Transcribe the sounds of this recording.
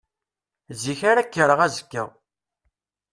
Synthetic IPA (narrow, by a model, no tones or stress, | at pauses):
ziçaɾækːəɾəʁæzə̥kːə̰ʁ